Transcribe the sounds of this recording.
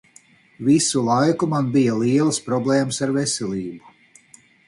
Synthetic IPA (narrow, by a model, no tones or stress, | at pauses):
visulˠajkumanbijalˠiɛlˠspɾɔblˠɛːmsaɾvesʲɛlʲˠiːbu